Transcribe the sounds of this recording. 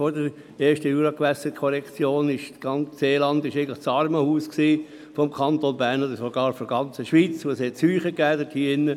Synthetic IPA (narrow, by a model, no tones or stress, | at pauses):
fɔɾdəɾ | eːʃtəjuːɾɑkʋæsətkʰɔɾɛkt͡sjoːnɪʃɡ̥ɑnt͡sseːlɑnd̪ɪʃeɪɡn̩lə̥t͡sɑɾməhuːsksiː | fɔmkʰɑnt̪onbæɾnod̪əsoɡɑːɾfɔɾɡɑnt͡səʃʋiːt͡sʋoːshɛtshyːχəkæːdətʰhiːɪnːə